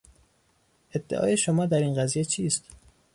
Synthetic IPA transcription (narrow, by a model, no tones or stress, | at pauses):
ʔe̞d̪ːḛʔɒ̰ːje̞ʃomɒːd̪æɾiːnɢæzije̞t͡ʃʰiːst̪